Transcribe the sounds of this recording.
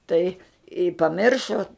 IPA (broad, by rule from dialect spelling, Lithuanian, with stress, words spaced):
ˈtɐɪ ɪ pɐˈmʲɪrʃoː